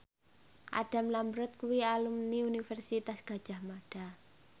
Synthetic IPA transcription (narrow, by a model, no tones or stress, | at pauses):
ʔa̰ɖ̥a̤mlambɾɔt̪̚kuwialumniunifɛrsit̪asɡ̥a̤d̥ʒ̥a̤hmaɖ̥a̤